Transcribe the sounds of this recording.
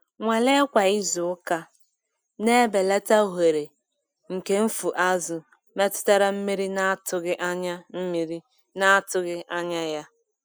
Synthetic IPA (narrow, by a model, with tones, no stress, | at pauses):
ŋʷe˨le˦kʷa˨i˦zʊ˨ʊ˦ka˦ | ne˦be˨le˦ta˦˨ɦe˨ɾe˨ | ŋ̩˨ke˦m̩˦fu˨ʔa˦zʊ˨ | me˦tʊ̥˦ta˦ɾa˨m̩˦mi˦ɾi˦na˦tʊ˨ɣɪ˦ʔa˦ɲa˦m̩˦mi˨ɾi˦ | na˦tʊ˦ɣɪ˦ʔa˦ɲa˦ja˦